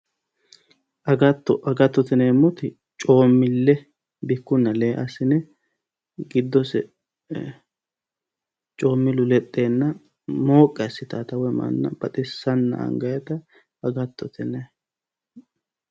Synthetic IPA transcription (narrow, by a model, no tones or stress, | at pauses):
ʔɐɡɐt̪ːɔʔɐɡɐt̪ːɔt̪ɛneːmːɔt̪ɪ | t͡ʃʼo̞ːmːɪlːɛ | bɪkːʊnːɐleːʔɐsɪnɛ | ɡɪd̪ːɔsɛ̰ | t͡ʃʼo̞ːmːɪlʊlɛt̪ʼːe̞ːnːɐ | mo̞ːkʼːɛɐsːɪt̪ɐːt̪ɐwɛmɐ̰nːɐ̰b̥ɐt̪ʼɪsːɐnːɐ̰ɐ̰ŋɡɐjɛt̪ɐ | ɐɡɐt̪ːɔt̪ʰɛnɛ